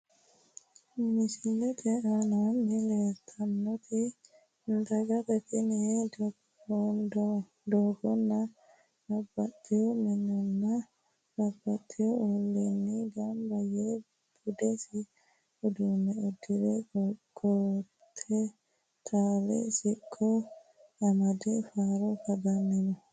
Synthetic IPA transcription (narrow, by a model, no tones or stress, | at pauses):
misilɛt̪ʰɛananhilɛt̪ʰanːɔt̪ʰi | nd̪aɡat̪akiniɛdɔɡ | ɔn | dɔɡɔnːa | babːatːɛɔminɔnːa | bɐbːɐt̪ʼːɪjɔɔlːinːiɡɐmbɐje | b̥ʊd̪ɛsɪ | ʊd̪umːɛɔd̪ːɪɾɛɡ̥oː | t̪ʰːɛ | t̪ʰaːlɛ̰sɪkʰʼːɔ | ɐmɐd̪ɛfaːɾɔfɐd̪ɐnːɛnɔ